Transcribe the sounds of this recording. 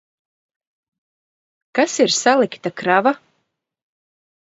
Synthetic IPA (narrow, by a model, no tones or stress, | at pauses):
kasiɾsalˠikt̪akɾava